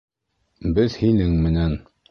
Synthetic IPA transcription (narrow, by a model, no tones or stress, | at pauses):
bɘðhinɘŋmɘ̆næn